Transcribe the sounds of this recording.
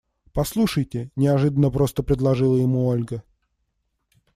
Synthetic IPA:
pɐslˠuʂəjtʲɪnʲɪɐʐɨd̪ənːəpɾo̞st̪əpɾʲɪd̪lˠɐʐɨlˠəjɪmuolʲɡə

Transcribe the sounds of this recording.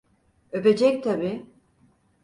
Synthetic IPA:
øped͡ʒɛk̚t̪ʰabiː

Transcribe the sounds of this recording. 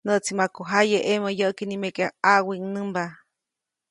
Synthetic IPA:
nəʔt͡simakoɦajeʔeməjəʔkinimẽkeaaʔwiŋnɨ̃mba

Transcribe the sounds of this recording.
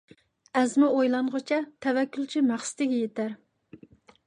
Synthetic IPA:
ɛzmɪojlˠɑɴʁʊt͡ʃʰɛt̪ʰɛvɛkʲːult͡ʃʰimæχsɪ̥t̪ɪɡʲɛjet̪æɾ

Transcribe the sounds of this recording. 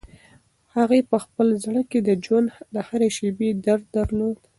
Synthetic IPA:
haɣepəxpəlzɽəked̪əd͡ʒwand̪d̪əhaɾeʃebed̪aɾd̪d̪əɾlod̪

